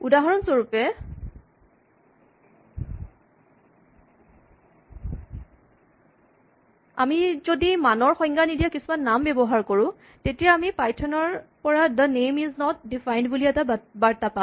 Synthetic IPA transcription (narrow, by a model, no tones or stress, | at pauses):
udaɦaɹɔnsoɹupɛ | amizodimanɔɹxɔ̃jŋɡanidijakisumanːambebɔɦaɹkoɹʊ̃ | tetijaamipajtʰɔnɔɹpɔɹad̪ənejmiznɔt̚difajndbuliɛtabaɹtapa